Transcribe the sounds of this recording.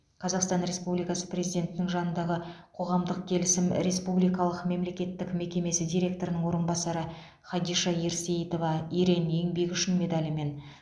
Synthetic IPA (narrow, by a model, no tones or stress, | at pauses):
qʰɑzɑqst̪ɑnɾe̞spublijkɑsə̥prʲe̞zijd̪ʲe̞nt̪ɪnɪŋʒɑnənd̪ɑʁəqʰo̞ʁɑmd̪əq̚kʲʰe̞lɪsɪmɾe̞spublijkɑlˠəqme̞mle̞kʲe̞t̪ːɪkme̞kʲe̞me̞sɪd̪ʲijɾʲe̞k̚t̪o̞ɾənəɴŋwo̞ɾənbɑsɑɾə | χɑd̪ijʃɑjeɾse̞jt̪o̞vɑijɾe̞njeŋbe̞kʲʏʃɪnme̞d̪alʲɪme̞n